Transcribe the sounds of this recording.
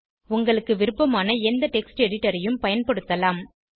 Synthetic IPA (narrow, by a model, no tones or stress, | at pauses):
ʊŋɡɐɭɯkːɯʋɪɾɯpːɐmaːnɐɛnd̪ɐʈɛksʈɛɽɪʈːɐɾɐjɯmpɐjɐnpɐɽɯt̪ːɐlaːm